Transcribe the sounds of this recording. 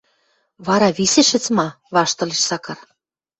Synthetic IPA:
βɑɾɑβisĕʃɘ̆t͡smɑ | βɑʃt̪ɤ̆leʃsɑkɤ̆r

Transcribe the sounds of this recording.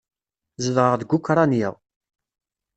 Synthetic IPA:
zəðʁəʁðəɡukɾˤɑnjəʁ

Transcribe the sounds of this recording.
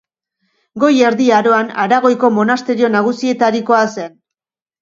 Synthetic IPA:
ɡo̞je̞ɾðiaɾo̞anaɾaɣ̞o̞jko̞mo̞nast̪e̞ɾio̞naɣ̞usie̞t̪aɾiko̞ase̞n

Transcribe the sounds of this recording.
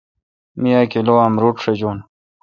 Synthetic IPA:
mijaːkeloamɾuʈʂɐd͡ʑoːn

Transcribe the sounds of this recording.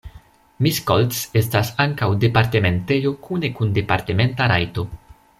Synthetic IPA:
misko̰ltse̞stasaŋkawde̞paɾte̞me̞nte̞jo̞kʰune̞kunde̞pa̰ɾte̞me̞ntaɾa̰jto̞

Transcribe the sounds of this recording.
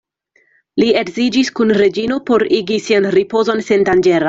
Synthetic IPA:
lie̞ɡzid͡ʒiskunɾe̞d͡ʒino̞po̞ɾiɡisianɾipo̞zo̞nse̞ndand͡ʒe̞ɾa

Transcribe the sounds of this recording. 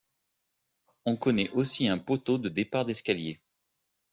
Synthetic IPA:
ɔ̃kɔnɛʔosiɛ̃pot̪od̪əd̪epaʁd̪ɛskʲalje

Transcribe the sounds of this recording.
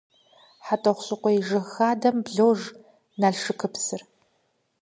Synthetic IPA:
ħatʼoχʷɕʼɨqʷɔjʐɨxaːdɐmbɮowʐ | naːɮʂɨkʰɨpsɨr

